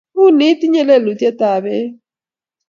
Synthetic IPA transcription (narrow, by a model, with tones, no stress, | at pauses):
βu˦ni˦ti˦ɲɛ˦lɛ˦˨lu˨tɛ˦ta˨βɛ˦